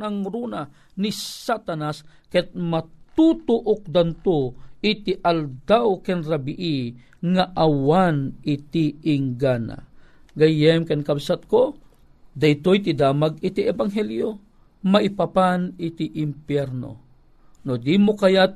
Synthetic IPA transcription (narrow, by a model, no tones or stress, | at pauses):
naŋɾuna | nisat̪anaskɛt̪̚mat̪ut̪ʊʔʊk̚d̪ant̪oit̪iʔald̪awkɛnɾabiʔi | ŋaʔawanit̪iɪŋɡana̰ɡajɛmkɛnkabsat̪̚ko | d̪ajt̪ojt̪id̪aːmaɡ̚it̪iʔɛbaŋɦɛljo | maipapanɪt̪iʔɪmpjɛɾno̰ | nod̪imokajat̪̚